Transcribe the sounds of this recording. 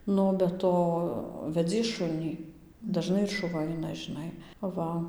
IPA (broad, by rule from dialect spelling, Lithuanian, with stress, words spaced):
ˈnʊ oː bʲɛ ˈtoː ʋʲɛˈd͡zʲiɛs ˈʃʊnʲiː dɐˈʒnɐɪ ɪr ʃʊˈʋɐ ˈɐɪnɐ ʒʲɪˈnɐɪ ˈʋɐ